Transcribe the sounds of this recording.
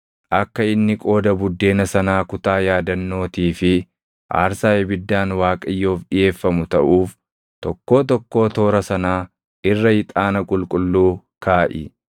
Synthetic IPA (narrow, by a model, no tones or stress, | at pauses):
ʔɐkːɐɪnːɪkʼo̞ːd̪ɐbʊd̪ːe̞ːnɐsɐnaːkʊt̪aːjaːd̪ɐnːo̞ːt̪iːfɪ | ʔa̰ːɾsaːjɛbɪd̪ːaːnwaːkʼɐjːo̞ːfɗɪje̞ːfːɐmʊt̪ɐʔuːf | t̪ɔkːo̞ːt̪̬ɔkːo̞ːt̪o̞ːɾɐsɐnaː | ʔɪrːɐhɪt̪ʼaːnɐkʼʊlkʼʊlːuː | kʰaːʔɪ̰